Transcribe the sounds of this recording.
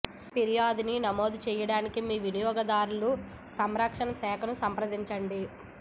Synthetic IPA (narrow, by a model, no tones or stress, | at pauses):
piɾijaːd̪ininɐmo̞ːd̪ut͡ʃɛːjɐɽaːnikimiːʋinijɔːɡɐd̪aːɾulu | sɐmɾɐkʂɐnɐsɛːkʰɐnusɐmpɾɐd̪iɲt͡ʃɐɳɖi